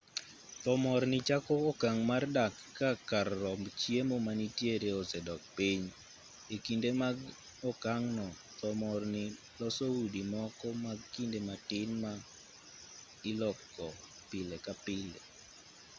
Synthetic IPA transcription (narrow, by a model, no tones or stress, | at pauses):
t̪ɔmɔɾnɪt͡ʃakɔːkaŋmardakː | akarːɔmbt͡ʃiemomanitjeɾeɔsɛdɔk̚piɲ | ekindemaɡ | ɔkaŋnɔ | t̪ɔmɔrnɪ | lɔsoudimɔkɔmaɡkindematɪnma | ɪlɔkːɔ | pɪlekapɪle